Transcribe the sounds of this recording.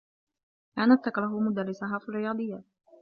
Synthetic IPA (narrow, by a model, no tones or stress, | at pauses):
ʔanat̪ːakɾˤɑɦʊmʊd̪arːɪsaɦaːfirːɪjɑːd̪ˤɨjːa